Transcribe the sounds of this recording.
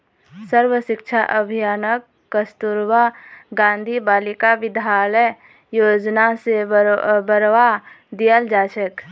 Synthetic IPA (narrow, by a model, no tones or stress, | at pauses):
səɾwəʃɪkt͡ʃʰaʔəbʱijaːnəkːəst̪uɾwaɡãːnd̪ʱibaːlɪkaʋɪd̪ʱaːləj | joːd͡ʒnasebəɾʋa | d̪ijəld͡ʒaːt͡ʃʰək